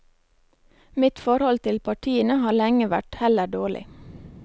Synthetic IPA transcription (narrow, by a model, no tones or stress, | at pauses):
mɪt̪fɔɾhɔlt̪ʰɪlpʰɑʈʰiːənəhɑːlɛŋəʋæ̰ʈhɛləɖoːɭɪ̰